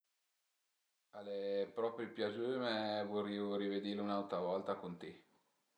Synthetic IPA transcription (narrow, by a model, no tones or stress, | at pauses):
alːepɾɔpɾepjad͡ʒumevoriːoɾived̪iːɾleunalt̪ɾavɔlt̪akont̪e